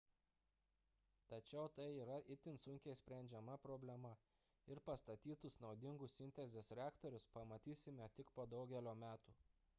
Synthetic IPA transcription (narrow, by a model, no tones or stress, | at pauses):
t̪ɐt͡ʃʲɛʊt̪ɐɪiːɾɐʔɪt̪ʲɪnsʊŋʲkʲɛɪsʲpʲɾʲɛnʲd͡ʒʲɛmɐpɾɔbʲlʲɛmɐ | ɪɾpɐst̪ɐt̪ʲiːt̪ʊsnɒʊd̪ʲɪŋɡʊsɪnʲt̪ʲɛzʲesɾʲæːkt̪oɾʲʊspɐmɐt̪ʲiːsʲɪmʲɛt̪ʲɪkpoːd̪ɒʊɡʲɛlʲoːmʲæːt̪uː